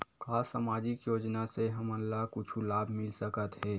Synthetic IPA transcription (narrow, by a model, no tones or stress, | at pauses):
kaːsaːmaːd͡ʒɪkjoːd͡ʒnaseɦɐməlːakʊt͡ʃʰulaːbʱmɪlsəkət̪ɦɛː